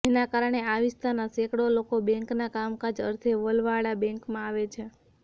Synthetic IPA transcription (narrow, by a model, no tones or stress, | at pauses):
d͡ʒenakaɾəɳ̃eaʋist̪ʰanasekɽolokobɛ̃ŋknakamkad͡ʒə̰ɾt̪ʰeʋəlʋaɽabɛ̃ŋkmãaʋet͡ʃʰe